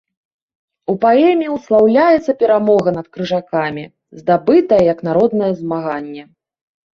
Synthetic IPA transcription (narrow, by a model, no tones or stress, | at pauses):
upaɛmʲijiwslˠawlʲajɛt̪sːɐpʲɛɾamɔɣɐnɐt̪kɾɨʐakamʲi | zd̪abɨt̪ɐjɐjɐknaɾɔd̪nɐjɛzmaɣanʲːɛ